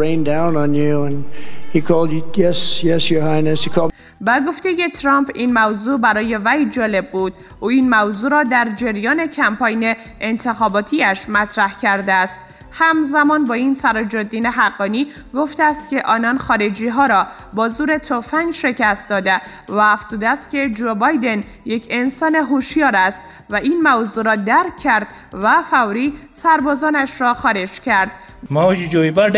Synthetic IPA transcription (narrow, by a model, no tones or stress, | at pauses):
ẽɪ̃ndãʊ̃nə̃njʉə̃nikʰɔlˠdjɛsjɛsjə˞haɪnɨsikʰɔlˠ | beɡo̞ft̪e̞je̞t̪ʰɾɒmpʰinmæwzuːbæɾɒːje̞væjd͡ʒɒːle̞b̚ːuːd̪̥ | ʔuːiːnmæwzuːɾɒːd̪æɾd͡ʒeɾjɒːne̞cʰæmpʰɒːjne̞ | ʔent̪ʰe̞xɒːbɒːt̪ʰiːæʃmæt̪ʰɾæhcʰæɾd̪eæst̪ | hæmzæmɒːnbɒːinsæɾɒd͡ʒod̪ːiːneɦæɡːɒːniː | ɡo̞ft̪eæst̪cʲe̞ʔɒːnɒnxɒːɾe̞d͡ʒiːɦɒːɾɒː | bɒːzuːɾe̞t̪ʰofæŋɡʃe̞cʰæst̪̚d̪ɒːd̪e | væːfz̥uːd̪eæst̪cʲʰe̞d͡ʒoːbɒjd̪e̞n | je̞cʰe̞nsɒːne̞ɦoʃjɒːɾæst̪ | væiːnmævzuɾɒːd̪æɾkʰːæɾd̪ | væfæwɾiːsæɾbɒːzɒːnæʃɾɒːxɒːɾe̞d͡ʒcʰæɾd̪̥̚ | mad͡ʒid͡ʒoibæɾd